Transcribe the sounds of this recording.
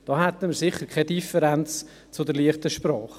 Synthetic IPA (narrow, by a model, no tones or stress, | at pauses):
d̥ɑːhæt̪ːəmɪɾsɪχːəɾkʰɛdifəɾænt͡s | t͡sʊdɛɾliəχtəʃpɾɑːχ